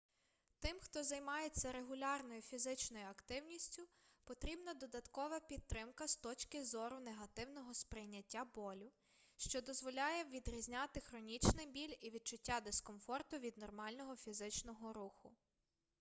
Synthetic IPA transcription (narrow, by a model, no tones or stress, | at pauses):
t̪ɪmxt̪ɔzɐjmɑjet͡sʲːɐɾe̞ɦʊlʲɑrnɔjʊfʲizɪt͡ʃnɔjʊɐkt̪ɪwnʲisʲtʲʊpɔt̪ɾʲibnɐd̪ɔd̪ɐt̪kɔʋɐpʲid̪̚t̪ːɾɪmkɐst̪ɔt͡ʃkɪzɔɾʊneɦɐt̪ɪwnɔɦɔspɾɪjnʲɐtʲːabɔlʲʊ | ʃt͡ʃɔd̪ɔzʋɔlʲɑjɛʋʲid̪ɾʲizʲnʲɑt̪ɪxɾɔnʲit͡ʃnɪjbʲilʲiʋʲid̪̚t͡ʃʊtʲːad̪eskɔmfɔrt̪ʊʋʲid̪nɔrmɑlʲnɔɦɔfʲizɪt͡ʃnɔɦɔɾuxʊ̰